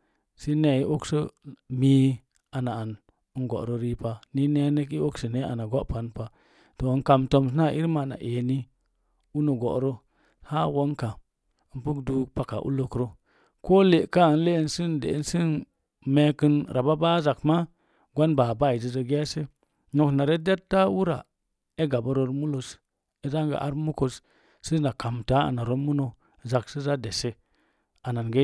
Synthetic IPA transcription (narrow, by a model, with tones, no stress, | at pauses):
si˦ne˨i˦ʔo˦kso˦mi˦ | a˨na˨a˨n˦ | nɡo̰˨ʔɾo˦ɾi˦pa˨ni˦ne˦ne˦ki˦o˦ksə˨ne˦a̰˨na˨ɡa˦ʔpa˨˦npa˨ | to˨nka˨mto˦ms̬na˦ʔi˦ɾma˨na̰˨ʔe˨ni˦ | u˦no˨ɡo̰˨ʔɾo˦ | ha˦wo˦nka˨ | n˦pu˦kdu˦pa˨ka̰˨ʔṵ˦lo˨kɾo˦ | ko˦le˨ka˦˨n˦le˦n˦si˦ndḛ˨˦n˦si˦n | me˦ki˦nɾʔa˨ba˦ba˦za˨kma˦ | ɡʷa˦nba˨ba˦˨i˨zi˨ze˨ɡe˦se˦ | no˨kna˨ɾe˦de˦tːa˦wu˦ɾa̰˨ | e˦ɡa˨ba˨ɾo˦ɾmu˦lo˨s | e˦za˦ŋɡa̰˨ʔa˦ɾmu˦ko˨s | si˦na˨ka˨mta˦a̰˨na˨ɾo˦mu˦no˨ | za˨ksi˦za˦de˨se˦ | a˨na˨nɡe˦